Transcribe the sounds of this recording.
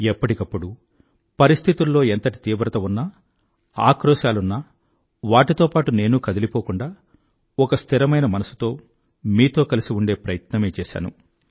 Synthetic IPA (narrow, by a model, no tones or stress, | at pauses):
ɛpːɐʈikɐpːuɽu | pɐɾist̪ʰit̪ulːo̞ːent̪ɐʈi̥t̪iːbɾɐt̪ɐunːɐ | a̰ːkɾɔːʃaːlunːɐ | ʋaːʈit̪o̞ːpaːʈune̞ːnukɐd̪ɐlipo̞ːkuɳɖaː | ɔkɐst̪ʰiɾɐmɐjnɐmɐnɐsu̥t̪o̞ː | miːt̪o̞ːkɐlisiuɳɖe̞ːpɾɐjɐt̪nɐme̞ːt͡ʃɛːʃa̰ːnṵ